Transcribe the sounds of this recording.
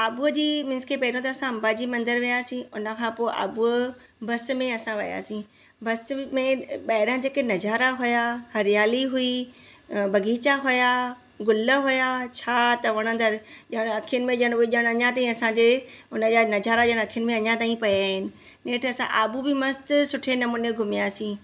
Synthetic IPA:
aːbud͡ʑiːmɪ̃nskʰepɐɦɾõt̪ɐːsãɐ̃mbaːd͡ʑiːmɐ̃nd̪əɾʋijaːsĩʊnə̆kʰãpoːɪʔa̰ːbu | bɐsmẽɐsãʋɐja̰ːsĩ | bɐsmẽɓɐɦɪɾə̃d͡ʑeːkenɐd͡ʑaːɾaɦʊjahɐɾɪjaːliɦʊi | bɐɡiːt͡ɕaɦʊja | ɡʊlə̆ɦʊjat͡ɕʰaːt̪ɐʋɐɽ̃ə̃nd̪əɾʄɐəɽ̃ɐkʰijʊnɪ̆mẽʄɐəɽ̃ɪʄəɽ̃ɐɲãt̪aːĩɐsãɲd͡ʑeʊnəd͡ʑanɐd͡ʑaːɾad͡ʑɐəɽ̃ɐkʰijʊnɪmẽɐɲãt̪aːĩpɐjaːɦɪnɪ̆ | neːʈʰɐsã̰ʔaːbubɪmɐst̪sʊʈʰenɐmuːneɡʱʊmijaːsĩː

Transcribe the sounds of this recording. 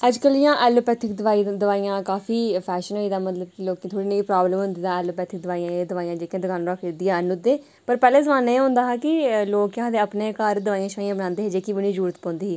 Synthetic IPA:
əd͡ʒkəljãːʔɛːloːpɛːt̪ʰɪkd̪əʋaːid̪əʋaːijãːkaːfiːpʰɛːʃənɦoːiːd̪aːmət̪ləb̚kɪloːkːt̪ʰoːɽiːnãːiːpɾaːbləmɦʊ̃nd̪iːd̪ãːɛːloːpɛːt̪ʰɪk̚d̪ʋaːijãːed̪əʋaːijãːd͡ʒeːkãːd̪əɡaːnːɾəkʰːd̪ijãːənʊd̪eː | pəɾpɛːleːzəmaːneːeɦʊ̃nd̪aːɦaːkɪloːkãːd̪eːəpneːkaɾd̪əʋaːijãːʃaːijãːbənãːnd̪eːɦeːd͡ʒeːkiːbəñiːzuːɾət̪pɔ̃ːnd̪iːɦː

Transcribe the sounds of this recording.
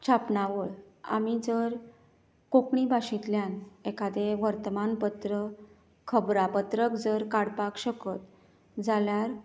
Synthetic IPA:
t͡ɕʰapnaʋəɭa̰mid͡zəɾ | kokɳibʱaɕit̪ljanekad̪eʋəɾt̪əmanpət̪ɾə | kʰəbɾapət̪ɾəkd͡zəɾkaɽpakɕəkət̪ | d͡zaljaɾ

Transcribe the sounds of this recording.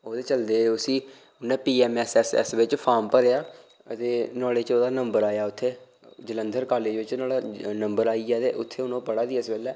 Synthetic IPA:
oːd̪eːt͡ʃəld̪eːʊsĩː | ʊnːɛ̃ːpiːɛːmɛːsɛːsɛ̰ːsʋɪt͡ʃpʰaːɾmpəɾejaː | ət̪eːnɔːɽeːt͡ʃoːd̪aːnəmbəɾaːjaːʊt̪ʰːeː | d͡ʒələ̃nd̪ʱəɾkaːleːd͡ʒʋɪt͡ʃnaːlaːnəmbəɾaːiːaːt̪ḛːʔʊt̪ʰːeːʊnõːpəɽaːd̪iːɛsbɛːlɛː

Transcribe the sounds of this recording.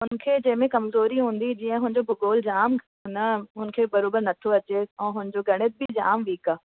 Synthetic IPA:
ɦʊnkʰed͡ʑɐɦɪ̃mẽkɐmzoːɾiɦũːn̆d̪id͡ʑiːə̃ɦʊ̃ɪ̃ɲd͡ʑobʱʊɡoːld͡ʑaːm | ɦʊnəɦʊn̆kʰeːbɐɾoːbəɾnɐt̪ʰoɐt͡ɕeɛ̃ːɦʊ̃ɪn̆d͡ʑoɡɐɽ̃ɪt̪̚bʱɪd͡ʑa̰ːmʋiːkaː

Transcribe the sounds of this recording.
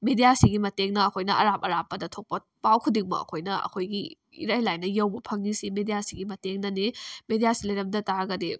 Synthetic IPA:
medijasiɡimɐteŋnɐːkʰojnɐʔɐ̰ɾap̚ɐɾapːɐdɐtʰok̚pɐ | pawkʰudiŋmɐ̰ɐ̰kʰojnɐɐ̰kʰojɡi | ḭɾɐjlajnɐjɐwbɐpʰɐŋnisimedijasiɡimɐteŋnɐnemedijasilɐjɾɐm̚dɐtaɾɐɡɐde

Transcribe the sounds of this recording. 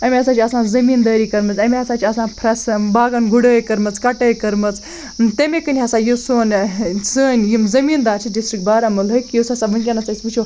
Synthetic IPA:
ɐmʲeɐsaːt͡ʃʰiɐsãːzɐmiːnd̪ɐːɾiːkɐɾmɨt͡sɐmʲeɦɐsãːt͡ʃʰiɐsãːpʰɾɐsbaːɡɐnɡuɽəːjkɐɾmɨt͡skɐʈəːkɐɾmɨt͡s | t̪emʲekɨnʲiɦɐsãːjosoːnsəːnʲjimzɐmiːnd̪aːt͡ʃʰiɖisʈɾik̚baːɾamɐlɦɨkjosasabɨnʲkʲɐnɐt͡sɐsʲpɨt͡ʃʰo

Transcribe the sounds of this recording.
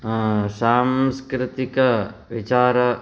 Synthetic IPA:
saːmskɾɪt̪ikɐʋit͡ʃaːɾɐ

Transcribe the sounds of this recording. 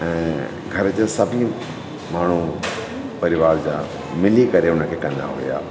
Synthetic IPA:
ɛ̃ː | ɡʱɐɾd͡ʑasɐbʱɪ̃ | maːɳ̤u | pɐɾɪʋaːɾd͡ʑaː | mɪlikɐɾeʊnəkʰeːkɐ̃nd̪a̰ɦo̰ija̰ː

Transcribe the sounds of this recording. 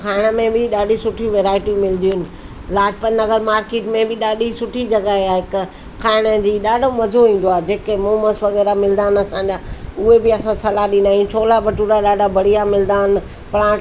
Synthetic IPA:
kʰaːɪɽ̃əmẽbɪɗaːɗisʊʈʰijũʋeːɾaːɪʈiũmɪld̪ijnɪ̆ | laːd͡ʑpənːɐɡəɾmaːɾkeːʈmẽbɪɗaːɗʱisʊʈʰid͡ʑɐɡaɦeaɦɪk | kʰaːɪɽ̃əd͡ʑiːɗaːɖʱomɐzoĩːn̆d̪oaːɦed͡ʑeːkemoːməsʋɐɣɛːɾamɪld̪aːnɐsãd͡ʑaːʊɦebɪɐsãsɐlaɗĩnd̪aːɦiũt͡ɕʰoːlabɐʈuɾaɗaːɖabʱɐɽ̤ijamɪld̪aːɪn | pɐɽ̃ãːʈ

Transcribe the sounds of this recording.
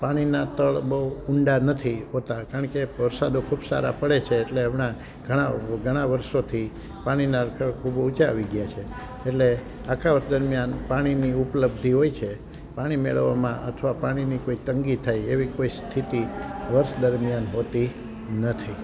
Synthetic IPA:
paɽ̃inat̪əɭbəuʊɳɖanət̪ʰiɦot̪akaəɳkeʋəɾsad̪okʰubsa̰ɾa̰pəɽet͡ʃʰeːʈleəmɳa | ɡ̥ʱəɽ̃aɡʱəɽ̃aʋəɾʃot̪ʰi | paɽ̃inaɾəkʰəɭkʰubut͡ʃaʋiɡjat͡ʃʰe | eʈle | akʰaʋəɾʃd̪əɾmjanpaɽ̃iniupələb̚d̪ʱiɦoit͡ʃʰe | paɽ̃imḛɭə̰ʋa̰mãʔət̪ʰʋapaɽ̃inikoit̪əŋɡit̪ʰːajeʋikoist̪ʰit̪iʋəɾʃd̪əɾmjanɦot̪i | nət̪ʰi

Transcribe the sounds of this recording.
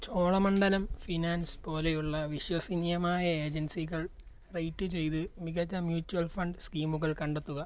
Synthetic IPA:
t͡ɕo̞ːɭɐmɐɳɖɐlɐmfinaːnspo̞ːle̞juɭːɐʋiɕwɐsinjɐmaːjɐe̞ːd͡ʑɐnsiɣɐɭ | rejʈːɨt͡ɕe̞jt̪ɨmiɣɐt͡ɕːɐmjuːt͡ɕːuwɐlfɐɳɖɨskiːmuɣɐɭkɐɳɖet̪ːuɣɐ

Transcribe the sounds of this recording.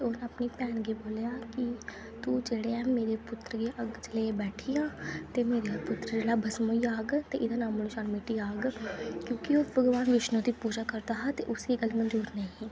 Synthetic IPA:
eonəpnipɛːnɡiboːljaːki | t̪uːd͡ʒeːɽeɛ̃ːmeːɾepʊt̪ɾəɡeʔəɡt͡ʃəlebɛːʈʰiãːt̪emeːɾepʊt̪ɾəd͡ʒelaːbʱəsmõːijaːɡt̪eʔɪd̪ãːnãːmʊɽiʃaːnmeːʈiaːɡkjõːkioːʋəɡʋaːnʋɪʃnõd̪ipuːd͡ʒakəɾt̪aɦat̪eʔʊsiɡəlmə̃nduːɾnaĩ

